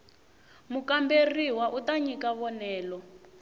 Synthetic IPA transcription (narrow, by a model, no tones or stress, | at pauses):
mukamberiwaʔutaɲikaβɔnɛːlɔ